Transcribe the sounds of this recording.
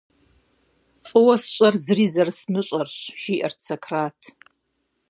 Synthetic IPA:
fʼɨwɐsɕʼɐrzriːzɐrsmɨɕʼɐrɕʒiːʔɐ̰rt͡sʰɐkʰraːtʰ

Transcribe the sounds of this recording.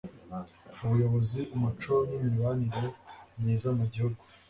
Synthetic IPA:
uβujo̞βo̞ziʔumut͡ʃonimiβaniɾemɲiːzamuɟihuɡu

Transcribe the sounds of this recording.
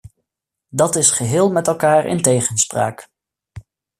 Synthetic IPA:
dɑtɪsχəɦɪːlˠmɛtɛlˠkaːɹɪ̰ntejχənspra̰ːk

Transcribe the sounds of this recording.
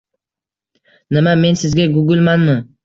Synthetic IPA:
nɪmame̞nsɪzɡʲaɡʊɡʲɪlˠmanmɪ

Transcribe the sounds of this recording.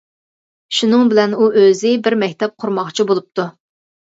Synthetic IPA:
ʃunɨŋbɪlɛnuʔøzɪbɪɾmɛkʲt̪ʰɛp̚qʰʊɾmɑχt͡ʃʰibolˠup̚t̪ʰu

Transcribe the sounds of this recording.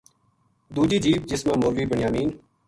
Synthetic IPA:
d̪uːd͡ʒiːd͡ʒiːb̚d͡ʒɪsmãːmoːɾʋiːbəɳɪjaːmiːn

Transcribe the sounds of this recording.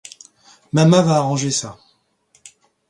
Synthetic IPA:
mamãvaːʁɑ̃ʒesa

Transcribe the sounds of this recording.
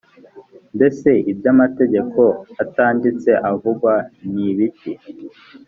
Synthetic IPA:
nde̞se̞ibɟamate̞ɟe̞kʰo̞ataːndit͡se̞ʔavuɡwaniβici

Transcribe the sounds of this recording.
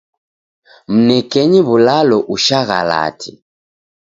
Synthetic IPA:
m̩nɛkɛɲiβulalɔʔuʃaɣa̰la̰tʰḭ

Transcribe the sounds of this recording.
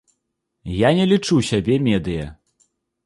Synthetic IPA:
janʲɛlʲit͡ʂusʲabʲɛmʲɛd̪ɨjɐ̰

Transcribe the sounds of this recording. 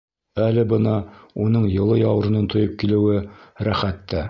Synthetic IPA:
ælɘbɤnɑunɤɴjɤ̆lˠɤjɑw̆ɾɤ̆nɤnt̪ʰŏjɤp̚kilɘ̆wɘɾæχæt̪ːæ

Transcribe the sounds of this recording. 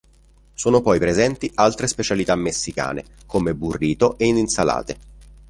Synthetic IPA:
soːnopɔjpɾezɛnt̪ialt̪ɾespet͡ʃalit̪amːesːika̰ːnḛkomeburːiːt̪oʔeininsala̰ːt̪e

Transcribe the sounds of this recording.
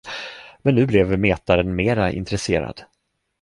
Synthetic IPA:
mɛnːʉ̟ːblɛvmeːt̪aɾənmeːɾaʔɪ̰nt̪ɾɛseːɾa̰d̪

